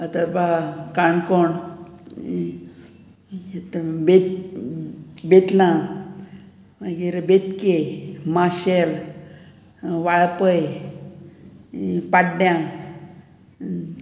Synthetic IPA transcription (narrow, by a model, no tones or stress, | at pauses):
ət̪əɾbakaɳkɔɳ | et̪bet̪ | bet̪lã | maɡiɾbet̪kemaɕel | ʋaɭpəj | paʈɖjã